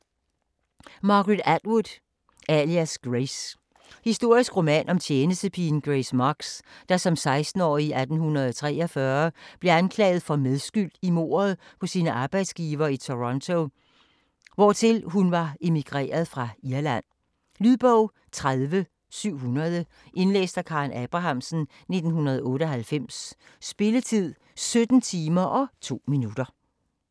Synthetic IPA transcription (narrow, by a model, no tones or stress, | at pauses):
mɑ̈ɡ̥ʁid̥æd̥wud̥ | æliæsɡ̥ʁes | hisd̥o̝ɐ̰isɡ̥ʁo̝mɛ̰nʔɒ̽mt͡ɕʰjeːnəsd̥əpʰinɡ̥ʁesmɑɡ̥sd̥ɑ̈sɒ̽msɑ̈ɪsd̥n̩ɒ̰ːiʔæd̥n̩hunɐð̞̩ˠɒt͡sʰʁɛ̰ːɒfɶɐb̥le̝ænkʰlɛ̰ːɪð̩ˠfɒ̽meðˠsɡ̥yl̰d̥imo̝̰ːɐð̞̩ˠpʰɒ̽siːnəʔɑ̈ːb̥ɑ̈ɪd̥sɡ̥iːʋɐːit͡sʰo̝ʁɒnt͡sʰo̝ | ʋɒt͡sʰe̝lɦunʋɑ̈e̝miɡ̥ʁɛ̰ːɐðˠfʁɑ̈iɐlæn̰ | lyðˠb̥ɔʊ̰ | t͡sʰʁaðˠʋə | syʊ̰ɦunɐð̞ˠə | ʔe̝nlḛːsd̥ækʰɑ̈ːnʔɛb̥ʁɑ̈ɦɑ̈msn̩ | ne̝d̥n̩ɦunɐð̞ˠɔ̽ːɾəɒ̽ɦælfem̰sːb̥e̝lət͡sʰið̞̰ˠ | sød̥n̩t͡sʰiːmɐʔɒ̽t͡sʰo̝̰ːminud̥ɐ